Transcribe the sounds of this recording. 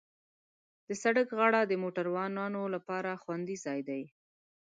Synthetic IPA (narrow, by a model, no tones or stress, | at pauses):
d̪̥əsaɽəkɣaɽad̪əmoʈaɾwɑnɑnolapɑɾaxwand̪izɑjd̪aj